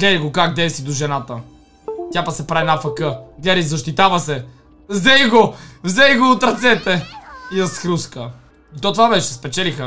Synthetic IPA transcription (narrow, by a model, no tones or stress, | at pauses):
ɡlɛɾiɡokaɡ̚d̪ɛjst̪vid̪oʒɛnat̪ə | t̪ʲjapɐksɛpɾaɛnafɐkəɡlɛɾizɐʃt̪it̪avɐsɛ | vzɛjɡovzɛjɡod̪ot̪ɾɐt̪sɛt̪ɛiɐsxɾuskə | it̪ɔt̪ovavɛt͡ʃɛspɛt͡ʃɛlixə